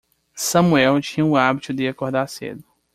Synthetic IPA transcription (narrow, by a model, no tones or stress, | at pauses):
sɐ̃muɛwt͡ʃĩɲɐʊabit̪ʊd̪ɪakoɾd̪aɾsḛd̪ʊ